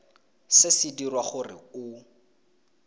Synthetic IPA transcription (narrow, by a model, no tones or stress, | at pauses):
sɪsidirwaχʊrɪ̰ʊ